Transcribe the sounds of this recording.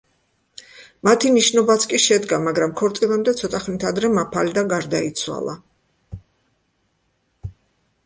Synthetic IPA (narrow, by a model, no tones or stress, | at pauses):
mat̪ʰiniʃnɔbat̪sʰkʼiʃɛd̪ɡamaɡɾamkʰɔɾt̪sʼilˠamd̪ɛt̪sʰɔt̪ʼʰaχnit̪ʰad̪ɾɛmapʰalid̪aɡaɾd̪ait̪sʰwa̰lˠa̰